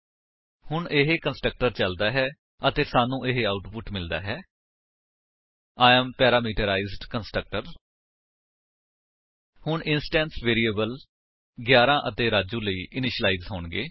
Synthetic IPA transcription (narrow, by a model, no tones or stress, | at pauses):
hʊɳʔeɦekənsʈɾək̚ʈəɾt͡ʃəld̪aːɦɛː | ət̪eːsaːnũːʔeɦeaːʊʈpʊʈmɪld̪a̰ːɦɛː | aːəmpɛːɾaːmiːʈəɾaːizɖkənsʈɾək̚ʈəɾ | hʊɳɪnsʈɛ̃ːnsʋeːɾiːəːbəl | ɡjaːɾãːʔət̪eːɾaːd͡ʒũːləiːʔɪnɪʃəlaːiːzɦoːɳɡeː